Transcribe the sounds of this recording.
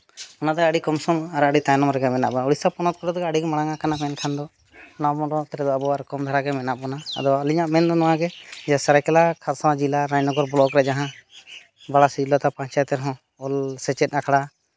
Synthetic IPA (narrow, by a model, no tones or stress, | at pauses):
ɔnad̪ɔaɽikɔmsɔmaɾaɖit̪ajnɔmɾɛɡɛmɛna̰ʔbɔnauɽisapɔnɔt̪̚kɔɖɔd̪ɔɡaaɽiɡɛmaɽaŋaʔkanamɛnkʰand̪ɔ | namɔ̃ɖɔt̪ɛɾɛd̪ɔabɔaɾkɔmd̪ʱaɾaɡɛmɛnaʔbɔnaa̰d̪ɔaliɲaʔmɛnd̪ɔnɔwaɡɛd͡ʒasaɾajkɛlakʰaɾsawad͡ʒilaɾãɲnɔɡɔɾbɔlɔɔkɾɛd͡ʒaɦã | baɽasid͡ʒilɔt̪apãɲt͡ʃajt̪ɛɾɦɔ̃ | ɔlsɛt͡ʃɛt̪̚nakʰaɽa